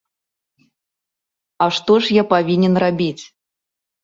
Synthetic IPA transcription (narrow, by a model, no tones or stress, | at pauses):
ɐʂt̪ɔʂjapavʲinʲɛnrabʲit͡sʲ